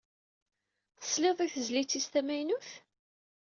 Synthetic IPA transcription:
θə̥sleðˤiθəzlit͡sːist̪æmæjnuθ

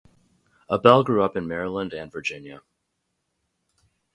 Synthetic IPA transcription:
əbɛlˠɡɹʉʌpɨ̃nmɛɹəlˠə̃ndɨ̃nvə˞d͡ʒɪ̃njɨ

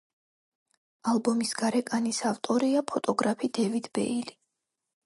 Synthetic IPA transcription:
alˠbɔmisɡ̥aɾɛkʼanisaft̪ʼɔɾiapʰɔt̪ʼɔɡɾapʰid̪̥ɛvid̪̥bɛ̰ili

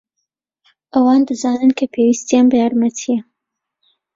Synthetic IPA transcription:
ʔɐwɑːnd̪ɨzaːnɨnkʰɐpʰeːwist̪ijanbɐjaːɾmɐt̪ʰijɐ

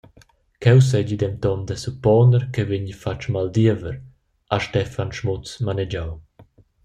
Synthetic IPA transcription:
kɛws̬ɛd͡ʒid̪ɛmt̪ɔmd̪ɛsupɔnəɾkɛviɲifat͡ʃmald̪iəvəɾ | ʔaʃtɛfanʃmɔt͡smanɛd͡ʒaw

